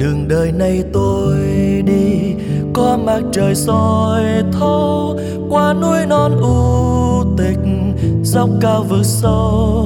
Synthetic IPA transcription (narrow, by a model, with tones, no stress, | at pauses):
ɗɨ˨˩əŋɗəː˨˩jna˨˩jt̪o˧jjɗi˧ | kwaː˧ma˨˩t̚t͡ɕəː˨˩jsɔ˨˩jt̪ʰə˧w | kwaː˧nu˧əjnɔ˧nʔu˧˦t̪ï˨˩k̚ | zə˧˦˥wk͡p̚kaː˧wvɨ˨˦t̚sə˧w